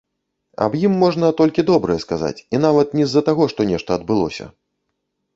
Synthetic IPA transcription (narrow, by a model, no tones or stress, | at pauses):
ɐ̰bjimːɔʐnɐt̪ɔlʲkʲid̪ɔbɾɐjɛskaza̰t͡sʲinavɐt̪nʲɛzːɐt̪aɣɔʂt̪ɔnʲɛʂt̪ɐːd̪̚bɨlˠɔ̰sʲɐ̰